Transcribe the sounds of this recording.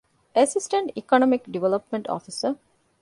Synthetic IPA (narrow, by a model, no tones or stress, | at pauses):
esisʈɐɳʈikonomikɖiʋelɐpmẽɳʈɔ̰ːfisə